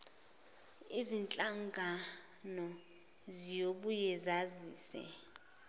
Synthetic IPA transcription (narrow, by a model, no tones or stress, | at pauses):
izint͡ɬʼaŋɡʱa | nɔ | zijoɓujɛzaziːsɛ̰